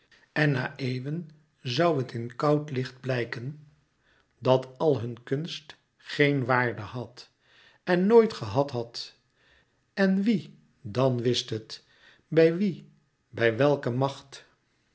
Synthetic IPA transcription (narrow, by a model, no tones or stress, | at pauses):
ʔɛnːaːʔejvən | zʌwɦətɪnkɑwtlɪχd̚blɛjkən | dɑtɑlˠɦɵnkɵnst | χejnʋaːɹdəɦɑt | ɛnːoːjtχəɦɑtɦɑt | ɛnʋi | dɑnʋɪstɦət | bɛjʋi | bɛjʋɛlˠkəmɑχt